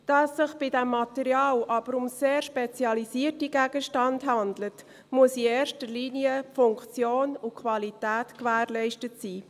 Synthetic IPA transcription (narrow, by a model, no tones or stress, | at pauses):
d̥ɑsːɪχb̥ɪdɛmːɑtɛɾjɑːlʔɑb̥əɾʊmseːɾʃpet͡sjɑlisiːərtiɡ̥æɡ̥əʃtɑndɦɑndlət | muəsieːɾʃtəliːniəfʊŋkt͡sjoːnukʰvɑlitæːtkʋæːɾlɛɪʃtətsiː